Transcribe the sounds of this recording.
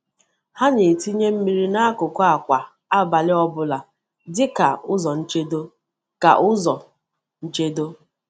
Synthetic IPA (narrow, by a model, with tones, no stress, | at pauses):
ha˦ɲe˨ti˦ɲe˦m̩˦mi˦ɾi˦na˦a˦kʊ˨kʷa˨kʷa˨ | a˦ba˨lɪ˦ɔ˦bʊ˦la˨ | dɪ˦ka˨ʊ˦zɔ˨n̩˦t͡ʃe˦do˦ | ka̰˨ʔʊ˦zɔ˨ | n̩˦t͡ʃe˦do˦